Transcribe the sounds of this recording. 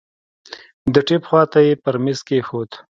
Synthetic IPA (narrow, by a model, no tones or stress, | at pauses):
d̪əʈepxwɑt̪ajepəɾmeskexot̪